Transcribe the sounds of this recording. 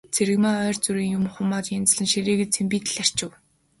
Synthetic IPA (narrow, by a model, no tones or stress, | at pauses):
t͡sʰeɾɘ̆ɣmaːœːrt͡suɾiːŋjʊmχʊmaːt̪jent͡s̆ɮɘ̆nʃiɾiːɣɘ̆t͡sʰempiːt̪ɘ̆ɮar̥t͡ɕɘ̆w